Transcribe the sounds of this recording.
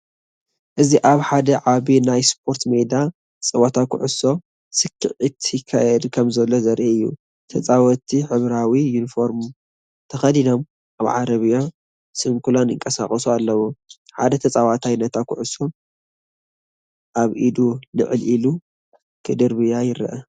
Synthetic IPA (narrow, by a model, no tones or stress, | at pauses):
ʔɨziʔaβħad̪ɐʕaβinajspʰo̞ɾt̪mejd̪a | t͡sʼɐwat̪ʰakʰʊ̰ʕʊso̞ | sɨkʰːɨʕɨt̪ʰjɪkʰːajɛd̪kʰɐmzɐlːozɐɾʔeɨjːṵ | t̪ʰɐt͡sʼawɐt̪ʰiħɨβɾawijunifo̞ɾmu | t̪ʰɐxɐd̪ino̞m | aβʕa̰ɾɐβijo | sɨŋkʰulanɨŋkʼɐsa̰χʼɐsualːɐwoħa̰d̪ɐt̪ʰɐt͡sʼawat̪ʰajnɐt̪ʰakʰʊ̰ʕʊso̞ | ʔaβʔid̪unɨ̰ʕɨlʔilu | kʰɨd̪ɨɾβɨjajɪɾɐ̰ʔɐ